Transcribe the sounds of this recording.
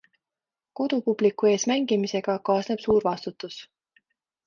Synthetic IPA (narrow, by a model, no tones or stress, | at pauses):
ko̞d̪̥upub̥likːˑue̞ːsmæŋɡ̥imise̞ɡ̥ɑkɑːsneb̥suːɾvɑst̪ut̪ːˑus